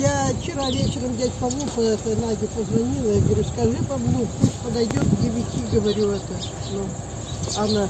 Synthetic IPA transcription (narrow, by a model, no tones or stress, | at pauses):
jaft͡ɕɪɾavʲet͡ɕɪɾəmdʲatʲpɐlˠupəɛt̪ənaɡʲɪpəzʋɐnʲilˠəjaɡəʋɐɾʲuskɐʐɨpɐblˠuppusʲt̪ʲpəd̪ɐjdʲot̪dʲɪʋʲɪtʲiɡəʋɐɾʲuɛt̪ə | nu | anə